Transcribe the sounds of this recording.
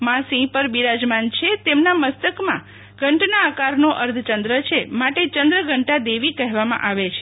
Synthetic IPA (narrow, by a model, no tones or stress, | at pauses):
mãsĩpəɾbiɾad͡ʒmant͡ʃʰet̪emnaməst̪əkmã̰ | ɡʱəɳʈnaːkaɾnoʔəɾd̪ʰʱt͡ʃənd̪ɾət͡ʃʰemaʈet͡ʃənd̪ɾəɡʱəɳʈad̪eʋikəɦʋamã̰ʔaʋet͡ʃʰe̥